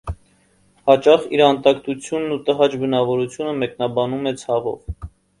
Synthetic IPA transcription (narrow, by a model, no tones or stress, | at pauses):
hɑt͡ʃɑχiɾɑnt̪ɑkt̪ut͡sʰjunːut̪əɦɑt͡ʃbənɑvɔɾut͡sʰjunəmɛknɑbɑnumɛt͡sʰɑʁɔ̰v